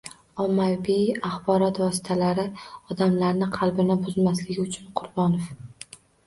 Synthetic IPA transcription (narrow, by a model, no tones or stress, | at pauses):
ɒmːabiaχbɒɾɒt̪vɒsɪ̥t̪ʰalaɾɪɒd̪amlaɾnɪqʰɑlˠbɪnɪbʊzmaslɪɡʲɪʊt͡ʃʰʊnqʰʊɾbɒnof